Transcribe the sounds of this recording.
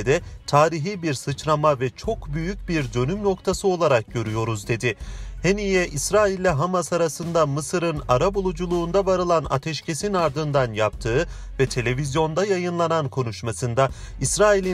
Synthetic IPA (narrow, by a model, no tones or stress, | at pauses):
d̪ɛt̪ʰaːɾiɦibiɾsɯt͡ʃɾamavɛt͡ʃʰo̞kbyjycbiɾd̪ø̞nymno̞kt̪ʰasɯo̞lˠaɾak̚ɟø̞ɾyjo̞ɾuzd̪e̞d̪ɪhenijɛʔisɾaːilʲːɛɦamasaɾasɯnd̪amɯsɯɾɯnaɾabulˠud͡ʒulˠuːnd̪avaɾɯlˠana̰t̪ʰɛʃcʰe̞sinaɾd̪ɯnd̪anjap̚t̪ʰɯː | vɛt̪ʰe̞lʲe̞vizjo̞nd̪ajajɯnlˠanankʰo̞nuʃmasɯnd̪aisɾaːilʲi